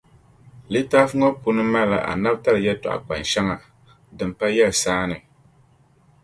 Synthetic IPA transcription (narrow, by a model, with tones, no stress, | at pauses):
li˦taː˦fɨ˦ŋɔ˦pu˦nɨ˦ma˦la̰˨ʔa̰˨na˦bta˦lɨ˨jɛ˦tɔ̰˨ʔa̰˨k͡pa̰˨n˨ʃɛ˦ŋa˨ | dɨ˨m˨pa˦jɛ˦lsaː˦nɨ˨